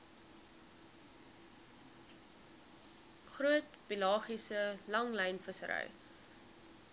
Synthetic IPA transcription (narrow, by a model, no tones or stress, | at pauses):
χruətpilɑːχisəlɐŋləjnfəsə̰ɾə̰j